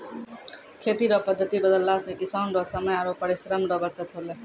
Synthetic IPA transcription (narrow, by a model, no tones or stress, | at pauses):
kʰet̪iɾʌpʌd̪ʱːʌt̪ibʌd̪ʌlːasekisawnɾʌsʌmʌjaɾopʌɾisɾamɾʌbʌt͡sʌt̪ɦole